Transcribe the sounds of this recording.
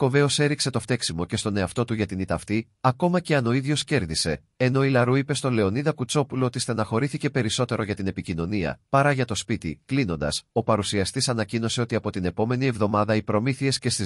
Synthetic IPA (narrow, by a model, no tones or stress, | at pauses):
ko̞ve̞o̞se̞ɾikse̞t̪o̞ft̪e̞ksimo̞ce̞st̪o̞ne̞ɐft̪o̞t̪uʝɐt̪init̪ɐft̪i | ɐko̞mɐce̞ɐno̞iðʝo̞sce̞ɾðise̞ | eno̞ilɐɾuipe̞st̪ole̞o̞niðɐkut͡so̞pulo̞ot̪ist̪enɐxo̞ɾiθice̞pe̞ɾiso̞t̪e̞ɾoʝɐt̪ine̞picino̞niɐ̰pɐɾɐʝɐt̪o̞spit̪ḭklino̞nd̪ɐ̰so̞pɐɾusiɐst̪isɐnɐcino̞se̞o̞t̪iɐpo̞t̪ine̞po̞me̞nie̞vðo̞mɐðɐipɾo̞miθie̞sce̞st̪i